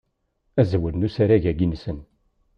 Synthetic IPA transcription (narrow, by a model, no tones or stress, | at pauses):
æzwəlnusaɾæʝæɡinsən